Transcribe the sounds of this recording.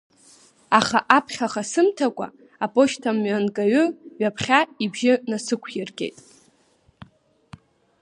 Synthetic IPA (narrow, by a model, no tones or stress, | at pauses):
aχaʔapʰχʲaχasɨmtʰakʷʼa̰ | apʼo̞ʃtʰamɥankʼaɥʊɥapʰχʲaibʒɪnasɨkʷʰjɪrɡʲʼe̞̰jtʼ